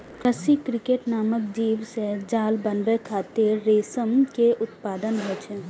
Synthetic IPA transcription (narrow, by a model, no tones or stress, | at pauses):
kɾəsikɾɪkeːʈnaːmək̚d͡ʒiːʋsed͡ʒaːlbənɾekʰaːt̪eɾːeːsəmkeʔʊt̪paːd̪ənɦoːt͡ʃʰe